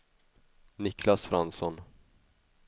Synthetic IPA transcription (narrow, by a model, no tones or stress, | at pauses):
nɪkʰlasfɾansɔn